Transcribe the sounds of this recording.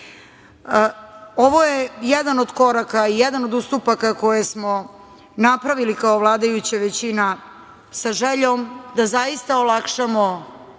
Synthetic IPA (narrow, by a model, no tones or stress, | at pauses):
oʋojejɛd̪ano̞d̪ko̞ɾakaijɛd̪anod̪ust̪upakako̞jesmo̞ | napɾaʋilikaoʋlˠaːd̪ajut͡ɕaʋet͡ɕina | saʒeʎomd̪azaist̪aolˠakʃamo